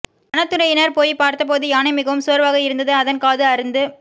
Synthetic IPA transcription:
ɐnɐt̪ːɯɾɐjɪnɐɾpoːjpaːɾt̪ɐp̬oːðɯjaːnɐmɪɣɐʋɯmsʊɐɾʋaːɣɐɪɾɯnd̪ɐðɯɐðɐnkaːðɯɐɾɯnd̪ɯ

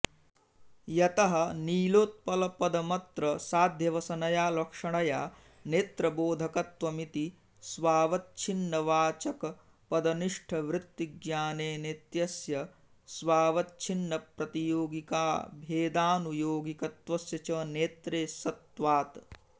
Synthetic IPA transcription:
jɐt̪ɐɦɐ̆niːloːt̪̚pɐlɐpɐd̪ɐmɐt̪ɾɐsaːd̪ʱjɐʋɐsɐnɐjaːlɐkʂɐɳɐjaː | neːt̪ɾɐboːd̪ʱɐkɐt̪ʋɐmit̪i | sʋaːʋɐtt͡ʃʰinːɐʋaːt͡ʃɐkɐ | pɐd̪ɐniʂʈʰɐʋɾɪt̪ːiɡjaːneːnet̪jɐsjɐ | sʋaːʋɐtt͡ʃʰinːɐpɾɐt̪ijoːɡika̰ːbʱeːd̪aːnujoːɡikɐt̪ʋɐsjɐt͡ʃɐneːt̪ɾeːsɐt̪ʋaːt̪

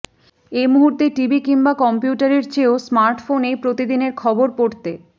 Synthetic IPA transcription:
emuɦuɾt̪eʈibʱikiŋbakɔmpjuʈaɾeɾt͡ɕeosmaɾʈfonepɾot̪id̪ineɾkʰɔboɾpoɾt̪e

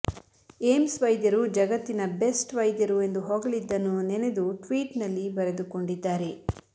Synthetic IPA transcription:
eːmsʋɐjd̪jɐɾud͡ʒɐɡɐt̪ːinɐbe̞sʈʋɐjd̪jɐɾue̞nd̪uɦɔːɡɐlid̪ːɐnːunened̪uʈʋiːʈnɐlːibɐɾe̞d̪uko̞ɳɖid̪ːaːɾe̞

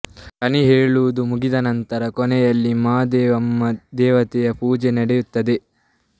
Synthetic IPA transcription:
kɐniɦeːɭuʋud̪umuɡid̪ɐnɐnt̪ɐɾɐkɔnɛjɐlːimaːd̪ɛʋɐmːɐd̪ɛːʋɐt̪ɛjɐpuːd͡ʒenɐɽɛjut̪ːɐd̪e

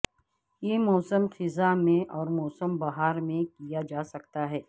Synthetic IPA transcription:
jeːmɔːsəmxɪzamẽʔɔːɾmɔːsəmbɐɦaːɾmẽkijad͡ʒaːsɐkt̪aɦɛː

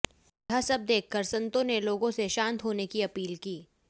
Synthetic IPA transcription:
ɦasɐb̚d̪eːkʰːəɾsɐ̃nt̪õneloːɡõseʃãːnt̪ɦoːnekiɐpiːlkiː

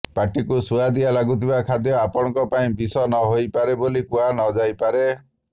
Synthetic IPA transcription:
paʈikusuad̪ialaɡut̪ʰibakʰad̪jɔapɔɽ̃ɔ̃kɔpaĩbisɔnɔɦojpaɾebolikuanɔd͡ʒajpaɾe

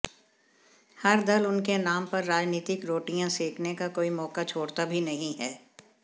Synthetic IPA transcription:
hɐɾd̪ɐlʊnkenaːmpɐɾːaːd͡ʒniːt̪ɪkɾoːʈijãsiːkʰnekakoːimɔːkat͡ʃʰoːɽt̪abʱinɐɦĩɦɛː

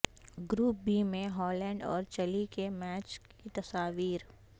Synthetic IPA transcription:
ɡɾuːp̚biːmẽɦɔːlɛ̃ːɳɖɔ̰ːɾt͡ʃɐlikemɛːt͡ʃkit̪ɐsaːʋiːɾ

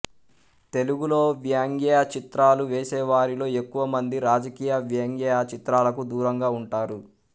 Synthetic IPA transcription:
t̪e̞luɡulo̞ːʋjaːŋɡɛjat͡ʃit̪ɾaːluʋeːsɛːʋaːɾilo̞ːe̞kːuʋɐmɐnd̪iɾaːd͡ʒɐkiːjɐʋjaːŋɡɛːjat͡ʃit̪ɾaːlɐkud̪uːɾɐŋɡaːuɳʈaːɾu

